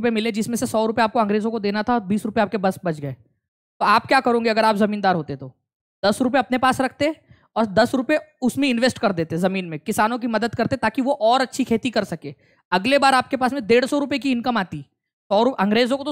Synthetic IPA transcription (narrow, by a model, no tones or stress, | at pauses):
pemɪled͡ʒɪsmẽsesɔːɾʊpeaːp̚koɐ̃ŋɡɾeːzõkod̪eːnat̪ʰaɔːɾbiːsɾʊpeaːp̚kebɐsbɐt͡ʃʰɡɐeː | t̪oaːp̚kjaːkɐɾõːŋɡeɐɡəɾaːpzɐmiːnd̪aːɾɦoːt̪et̪ʰoː | d̪ɐsɾʊp̬eɐpnepaːsɾɐkʰt̪e | ɔːɾd̪ɐsɾʊpeʊsmẽɪ̃nʋeːsʈkɐɾd̪eːt̪eɦzɐmiːnmẽkɪsaːnõk̬imɐd̪əd̪kɐɾt̪et̪aːkiʋoʔɔːɾɐtːʃʰikʰeːt̪ikɐɾsɐkeː | ɐɡlebaːɾaːp̚kepaːsmẽd̪eːɽsɔɾʊpekiɪ̃nkəmaːt̪i | sɔːɾʊɐ̃ŋɡɾeːzõkot̪o